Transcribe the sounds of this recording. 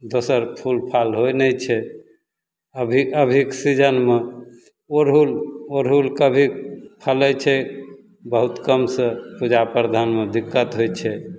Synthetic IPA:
d̪osəɾpʰulpʰalɦojnɛt͡ʃʰɛ | əbʱiəbʱiksid͡ʒənme | oɾɦuloɾɦulkəbʱipʰəlɛt͡ʃʰɛ | bəɦut̪kəmsə̃pud͡ʒapəɾd̪ʱanmed̪ikːət̪ɦojt͡ʃʰɛ

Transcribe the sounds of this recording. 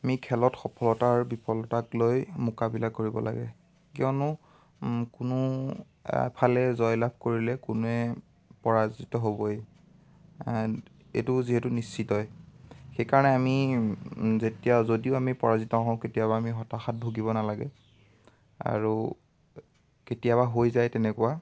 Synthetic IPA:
amikʰɛlɔtxɔpʰɔlɔtaɹbipɔlɔtaklojmʊkabilakoɹibɔ̰la̰ɡɛ̰ | kiɔnʊ | kʊnʊ | pʰalɛzɔjlab̚ʱkoɹilɛkʊnɛ | pɔɹazitɔɦobɔj | etʊziɦɛtunist͡ʃitɔjxejkaɹɔnɛami | zetijazodioamipɔɹazitɔɦɔ̃ketijabaːmiɦɔtaxat̚bʱuɡibɔnalaɡɛ̰ | a̰ɹu | ketijaβaɦojzajtɛnɛkuwa

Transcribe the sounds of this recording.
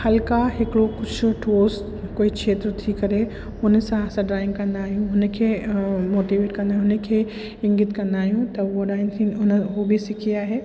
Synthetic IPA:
hɐlkaɦɪkɽokʊt͡ʃʰʈoːs | koːiʃʰeːt̪ɾət̪ʰikɐɾe | ʊnsaasãɖɾaːɪ̃ŋɡkɐ̃nd̪aːɦijũʊnkʰemoːʈiʋeːʈkɐ̃nd̪aːɦɦʊnekʰe | ɪ̃ŋɡɪt̪kɐ̃nd̪aːɦijũt̪ɐoɖaːɪ̃nt̪ʰiʊnɦobʱisɪkʰijaɦeː

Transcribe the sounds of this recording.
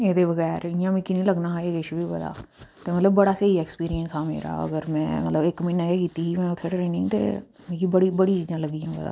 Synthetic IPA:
eːd̪eːbəɣɛːɾɪjãːmĩkinĩːləɡnaːɦaeːɡeʃbʱiːbəd̪a̰ː | t̪eːmət̪ləbːəɽaːseːiɛːkspiːɾijənsɦaːmḛːɾa̰ːə̰ɡəɾmɛ̰̃ːmət̪ləbɪkmɪ̃ːnaeːkiːt̪iːɦiːmɛ̃ːʊt̪ʰːeːʈɾeːnɪ̃ŋɡt̪ḛː | mĩːkibəɽiːbəɽiːt͡ʃiːd͡ʒãːləɡiãːbə̰d̪a̰ː

